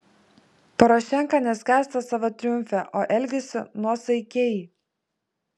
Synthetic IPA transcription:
pɐɾɔʃʲɛŋˑkɑnʲɛsʲkʲæːˑsʲt̪ɐsɑʋot̪ʲɾʲɪjʊmʲfʲɛʔoːʔɛlʲɡʲɛsʲɪnuɔsɐɪkʲɛːji

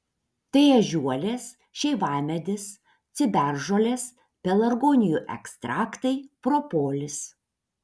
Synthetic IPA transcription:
t̪ɐɪɛʒʲuɔlʲeːs | ʃʲɛɪʋɑːmʲɛd̪ʲɪs | t̪sʲɪbʲæˑɾʒoːlʲeːs | pʲɛlˠɐɾɡoːnʲɪjuʔɛ̰kst̪ɾɑːkt̪ɐɪpɾopoːlʲɪs

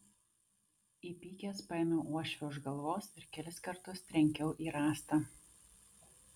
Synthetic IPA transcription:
iːpʲiːkʲeːspɐɪnʲoːʔuɔʃʲʋʲɛʊʒɡɐlˠʋoːsɪɾkʲɛlʲɪskɐɾt̪ʊst̪ʲɾʲɛŋʲkʲɛʊʔiːɾɑːst̪ɐ

